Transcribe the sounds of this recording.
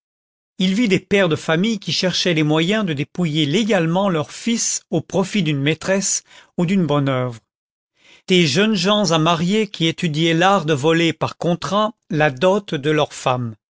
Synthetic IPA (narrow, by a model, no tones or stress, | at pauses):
ilvid̪epɛʁd̪əfamijkʲiʃɛʁʃɛlemwajɛ̃d̪əd̪epujeleɡalmɑ̃lœʁfisopχɔfid̪ynmet̪χɛsud̪ynbɔnœvʁ | d̪̥eʒənʒɑ̃zamaʁjekʲʰiet̪yd̪ijɛlaʁd̪əvɔlepaʁkɔ̃t̪χalad̪ɔt̪d̪əlœʁfam